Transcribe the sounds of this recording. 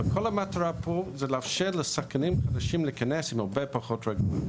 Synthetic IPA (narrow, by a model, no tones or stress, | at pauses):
əkʰolamatɾapʰozɛlafʃɛləsakanimχadaʃimlikanɛsimaɾbɛpaχɔtɹaɡui